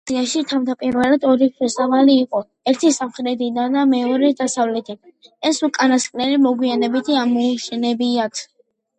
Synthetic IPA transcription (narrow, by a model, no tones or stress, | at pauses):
iaʃit̪ʰamd̪apʼiɾvɛlad̪ɔɾipʰɛsavaliːqʼɔ | ɛɾt̪ʰisamχɾɛd̪id̪and̪amɛɔɾɛd̪asavlɛt̪ʰiɛsukʼanasqʼlɛlimɔɡwianɛbit̪ʰiamɔʃɛnɛbiakʰ